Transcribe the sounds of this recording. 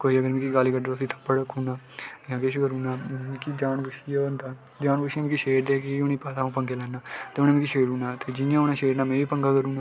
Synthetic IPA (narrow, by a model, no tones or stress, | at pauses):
koːiːəɡəɾmɛ̃ːkiɡaːliːkəɖõəsĩːt̪ʰə̥pːəɽəkʰuːnaːjãːkɪʃkəɾũːnaːmɛ̃ːkid͡ʒaːnkʊʃiaːənd̪aː | d͡ʒaːnɡʊʃiãːmĩːkiʃeːɖeːkiʊniːpaːsaːũːpəŋɡeːlɛːnːaːt̪eːʊnãːmĩːkiʃeːɽuːnaːt̪eːd͡ʒɪjãːʊnãːʃeːɽnaːmɛ̃ːʋiːpəŋɡaːkəɾũːnaː